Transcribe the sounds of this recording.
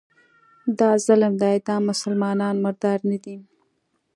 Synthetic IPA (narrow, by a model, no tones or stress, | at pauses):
d̪ɑzalmd̪ɑjd̪ɑmʊsəlmɑnɑnmɪɾd̪ɑɾnad̪i